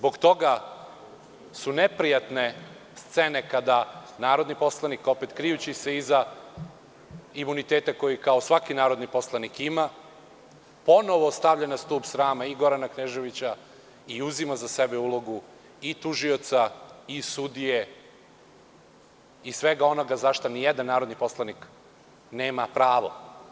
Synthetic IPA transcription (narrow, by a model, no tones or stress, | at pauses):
zbo̞ɡt̪o̞ɡa | sunepɾijat̪ne̞ | st̪se̞ne̞kad̪anaːɾod̪nipo̞slˠaniko̞pet̪kɾijut͡ɕise̞iza | imunit̪eːt̪ako̞jikao̞sʋakinaːɾo̞d̪nipo̞slˠanikima | po̞no̞ʋost̪aʋʎanast̪uːbsɾaːmaiɡo̞ɾanakneʒe̞ʋit͡ɕa | iuzimazasebeulˠo̞ɡu | it̪uʒio̞t̪saisud̪ije | isʋeɡao̞no̞ɡazaʃt̪onijɛd̪anːaːɾod̪nipo̞slˠanik | neːmapɾaːʋo̞̰